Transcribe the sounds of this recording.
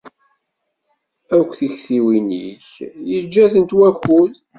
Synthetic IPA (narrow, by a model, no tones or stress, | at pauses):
ækʷːθiçθiwinḭçjəd͡ʒːæθənt̪wæxuð